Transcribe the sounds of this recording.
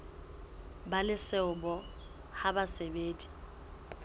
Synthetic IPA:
balɪsɛʊbɔ | habasebeːdi̥

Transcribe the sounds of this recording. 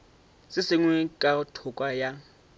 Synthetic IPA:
sɪsɪŋwɛkʼatʰʊkʼwaja

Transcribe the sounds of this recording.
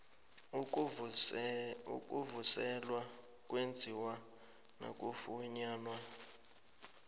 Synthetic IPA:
ṵkʼuvusɛlwa | k̬ʼwend͡zʱiwa | na̰k̬ʼufuɲaːnwa

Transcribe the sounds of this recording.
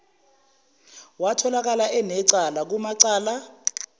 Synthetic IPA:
watʰɔlak̬alaʔɛnɛǀalak̬umaǀaːla

